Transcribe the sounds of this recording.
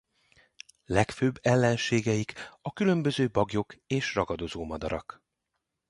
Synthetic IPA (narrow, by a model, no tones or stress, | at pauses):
lɛkføːbːɛlːɛnʃeːɡɛjikɒkylø̞mbø̞zøːbɒɡjo̞keːʃrɒɡɒd̪o̞zoːmɒd̪ɒɾɒ̰k